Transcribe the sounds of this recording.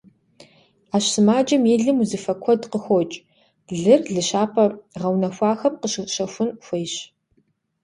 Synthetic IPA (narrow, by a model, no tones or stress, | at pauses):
aːɕsɨmaːd͡ʒɐmiɮɨmuzɨfɐkʷʰɔdqəxʷɔt͡ʃʼ | ɮɨrɮɨɕaːpʰɐʁɐwnɐxʷɑːxɐpqəɕɪɕɐxʷʊnxʷejɕ